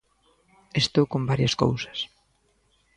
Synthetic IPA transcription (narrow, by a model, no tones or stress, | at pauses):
est̪owkõmbaɾjɐsko̰wsɐ̥s